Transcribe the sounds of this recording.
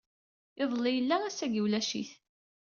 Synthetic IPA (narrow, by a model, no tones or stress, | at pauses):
ɪðˤlːijəlːææsæɡiwlæʃḭθ